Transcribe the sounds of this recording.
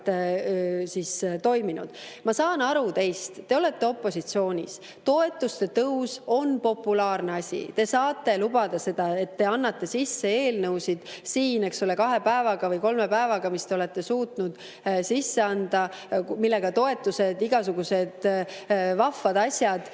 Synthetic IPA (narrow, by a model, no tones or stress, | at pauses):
sist̪o̞jminṵd̪̥mɑsɑːnɑɾut̪e̞jst̪ːe̞o̞le̞t̪ˑːe̞o̞pːˑo̞sit̪sio̞ːnʲḭs | t̪o̞e̞t̪ːˑust̪e̞t̪ɤwso̞npo̞pːulɑːrne̞ɑsʲḭt̪e̞sɑːt̪ːˑe̞lubɑd̪̥ɑse̞d̪̥ɑe̞t̪ːe̞ɑnːɑt̪ːe̞sisːe̞e̞ːlnɤwsid̪̥siːne̞kso̞le̞kɑɦe̞pæevɑɡ̥ɑvɤjko̞lme̞pæevɑɡ̥ɑmist̪e̞o̞let̪ːe̞suːt̪nud̪̥ | sisːe̞ɑnd̪̥ɑmilːe̞ɡ̥ɑt̪o̞e̞t̪ːˑuse̞d̪iɡ̥ɑsuɡuse̞d̪̥ | vɑfːɑd̪̥ɑsʲjɑd̪̥